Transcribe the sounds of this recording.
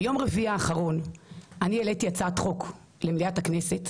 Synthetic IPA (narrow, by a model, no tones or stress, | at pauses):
jo̞mʁeviaːχaʁo̞nʔanieletijat͡sat̪χo̞k | lemliatakne̞se̞t